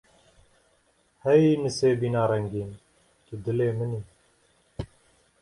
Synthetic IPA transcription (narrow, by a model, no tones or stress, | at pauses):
hɛjinɨseːbiːnaːɾɛŋɡiːn | kid̪ɨleːmɨniː